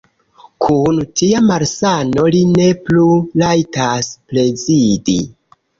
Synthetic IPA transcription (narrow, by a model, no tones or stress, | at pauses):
kʰuntiamaɾsano̞line̞plulajtasple̞zidḭ